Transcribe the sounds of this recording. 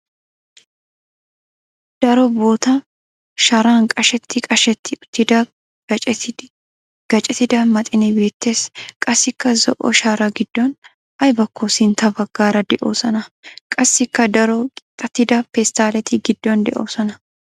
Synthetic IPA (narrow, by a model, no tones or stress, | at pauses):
d̪̥ɐɾɔbo̞ːt̪ɐ | ʃɐɾaːnkʼɐʃɛt̪ːɪkʼɐʃɛt̪ːɪʊt̪ːɪd̪ɐ | t͡ʃ | ɡ̥ɐt͡ʃʼɛt̪ɪd̪ɐmɐt̪ʼɪnɪbe̞ːt̪ːe̞ːskʼɐsːɪkːɐzɔʔɔ̰ʃaːɾɐɡɪd̪̥ːɔn | ʔɐjbɐkːosɪnt̪ɐbɐɡːaːɾɐd̪ɛʔo̰ːsɔnɐkʼɐsːɪkːɐd̪ɐɾɔkʼɪt̪ʼːɐt̪ːɪd̪ɐpɛst̪aːlɛt̪ʰɪɡɪd̪ːɔnd̪ɛʔo̰ːsɔnɐ